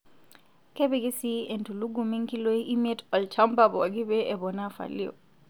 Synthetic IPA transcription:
ke˦bi˦ɡi˦si˦e˨ntu˨lu˦ɡu˨mi˦ŋki˦lo˦ii˦mie˦tɔ˨lt͡ʃa˦mba˨bɔ˨a˨ɡɪ˦bɛ˦e˨bɔ˨na˦fa̰˨li˦o̰˨

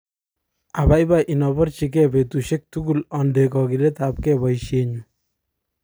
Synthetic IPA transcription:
a˨ba˦jba˨ʔi˨nɔ˨bɔ˦rt͡ʃi˨k̬ɛ˦be˨tu˨ʃe˦k̚tu˦ɡu˨lɔ˨nde˨kɔ˨ki˨lɛ˦ta˨˦p̚kɛ˦ba˨iʃe˨ɲu˨

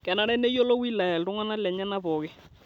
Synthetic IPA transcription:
kɛ˨na˦ɾɛ˦ne˦jo˦lɔ˦wi˦la˨ɛ˨ltu˦ŋa˦na˦lɛ˨ɲɛ˦na˦βɔ˨ɣɛ˦

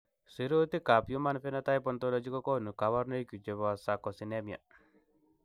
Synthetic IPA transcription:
si˨ɾo˦t̪i˦ka˨pju˦ma˦nfi˦na˦t̪a˦jpɔ˦nt̪ɔ˦lɔ˦d͡ʒi˦kɔ˦kɔ˦nu˨ka˨βa˦ɾno˦i˦ku˨d͡ʒe˨βɔ˨a˨sa˨kɔ˨si˨ne˦mi˨a̰˨

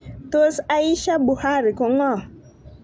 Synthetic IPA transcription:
t̪o˦sa˦i˦ʃa˦bu˨ha˦˨ɾi˨kʊ˨ŋɔ˦˨

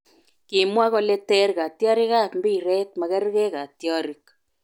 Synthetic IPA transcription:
ki˨mwa˦ɣɔ˦lɛ˦tɛ˦ɾɣa˨tja˦ɾi˦ɣa˦˨mbi˦˨ɾɛ˦t̚ma˨ɣɛ˦ɾɣɛ˦ɣa˨tjɔ˦ɾi˦k

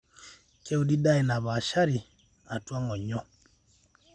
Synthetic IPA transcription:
kɛ˦u˦˨di˦da˦i˨na˨βa˨ʃa˦ɾi˨ | a˨twa˦ŋɔ˨ɲɔ˦

